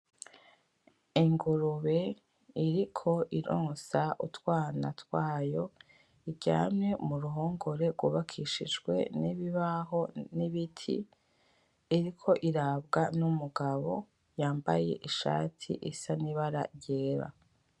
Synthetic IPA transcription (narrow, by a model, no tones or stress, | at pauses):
iŋɡuɾuβe̞ | iɾikʰo̞ʔiɾoːsaʔutwaːnatwaːjo̞ | iɟa̰ːmɲe̞muɾuɦoːŋɡo̞ɾe̞ɾɡwuβakʰiʃid͡ʒɡwe̞̰niβiβaɦo̞niβitʰḭ | ɾikʰo̞ʔiɾaːbɡanumuɡaβo̞ | jaːmba̰je̞̰ʔiʃa̰ːtʰḭʔisaniβaɾa̰ɾɟeːɾa̰